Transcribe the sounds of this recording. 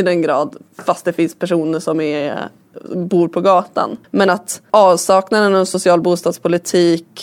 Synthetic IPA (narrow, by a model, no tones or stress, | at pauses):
ɪd̪ɛnɡɾɑːd̪fast̪d̪ɛfɪnspʰæʂuːnəʂɔmɛ | buːɾpʰɔɡɑːt̪a̰nmɛnat̪ʔɑːvsɑːknaɾɛnɔsʊsɪɑːlbuːst̪ɑːd̪spʰʊlɪt̪ʰiːk